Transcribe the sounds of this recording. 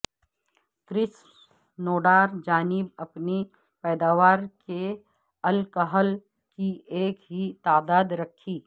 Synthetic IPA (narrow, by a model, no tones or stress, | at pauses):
t̪ɾɪs | noːɖaːɾd͡ʒaːnɪbɐpni | pɛːd̪aːʋaːɾke | ɐlkəɦəl | kieːkɦit̪aːd̪aːd̪ɾɐkʰːiː